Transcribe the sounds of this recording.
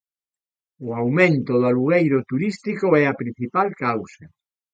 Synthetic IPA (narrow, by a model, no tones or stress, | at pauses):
oawmẽnt̪oðaluɣejɾot̪uɾist̪ikoɛapɾin̟θipalkawsa